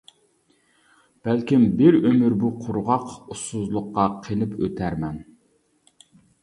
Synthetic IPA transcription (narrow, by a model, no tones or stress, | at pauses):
b̥ælkʲimbɪɾømyɾbuqʰʊɾʁɑqusːʊzlˠʊqːɑqʰelɪpʰø̰t̪ʰæɾmɛn